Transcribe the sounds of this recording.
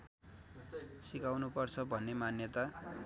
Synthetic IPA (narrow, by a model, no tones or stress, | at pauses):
sikawnupʌrt͡sʰʌbʱʌnːemanjʌt̪a